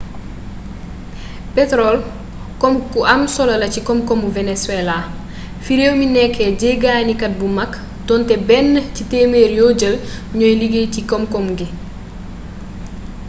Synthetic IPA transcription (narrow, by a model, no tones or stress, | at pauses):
pɛtɾɔl | kɔmkuʔɐmsɔlɐlɐcikɔmkɔmuvɛneswɛla | fiɾewminɛkʰːɛɟeɡaːnikɐt̚bumɐkː | tɔntɛbɛnːəcitemeːɾjoɟəlɲɔjliɡecikɔmkɔmɡi